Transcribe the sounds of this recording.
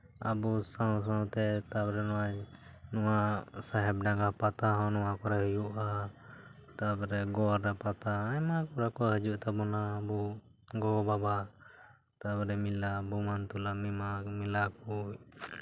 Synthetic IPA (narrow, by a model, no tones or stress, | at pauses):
a̰busaws̬ãw̃t̪ɛt̪abɾɛnɔwanɔwasaɦɛb̚ɖaɡapat̪aɦɔ̃nɔwakɔɾaɦəjuʔa | t̪abɾɛɡɔɾːapat̪aamakɔɾakɔɦəd͡ʒuʔt̪abɔnaːbu | ɡɔbaba | t̪abɾɛmilabumant̪ulamimamilaku